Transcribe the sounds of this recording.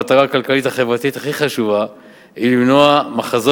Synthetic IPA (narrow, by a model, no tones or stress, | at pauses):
at̪aʁaːkalkalitaχe̞vʁat̪it̪haχiχaʃuva | ilimnoamaχazo